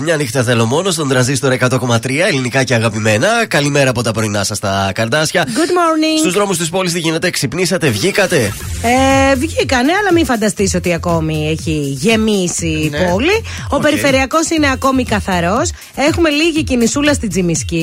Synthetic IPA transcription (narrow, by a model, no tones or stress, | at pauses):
mɲɐnixt̪ɐθe̞lo̞mo̞no̞st̪o̞nd̪ɾɐnzist̪o̞ɾɐekɐt̪o̞ko̞mɐt̪ɾiɐe̞linikɐce̞ɐɣɐpime̞nɐkɐlime̞ɾɐːpo̞t̪ɐpɾo̞inɐsɐst̪ɐkɐɾd̪ɐsçɐɡud̪moɾniŋst̪uzðɾo̞must̪ispo̞list̪iʝine̞t̪eksipnisɐt̪e̞vʝikɐt̪e̞ | evʝikɐne̞ɐlɐmiɱfɐnd̪ɐst̪isot̪iɐko̞mieçiʝe̞misipoli | o̞pe̞ɾife̞ɾiɐko̞sineɐko̞mikɐθɐɾo̞s | e̞xume̞liʝicinisulɐst̪id͡zimisci